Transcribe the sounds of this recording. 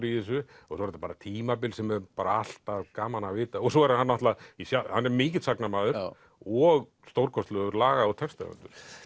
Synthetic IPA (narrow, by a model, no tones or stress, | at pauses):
ɾiɪs̬ʏɔɣsɔɛɾt̪apaːɾat̪ʰiːmapɪlsɛmɛɾpaːɾaal̥t̪avkaːmanavɪːt̪aɔsɔɛɾhanːaht̪laisjahanːɛɾmɪːc̬ɪt̪saknamaːðʏɾ | ɔɣ | st̪owɾkʰɔst̪lœɣʏɾlaːɣaɔt̪ʰɛfst̪a̰a̰nt̪ʏɾ̥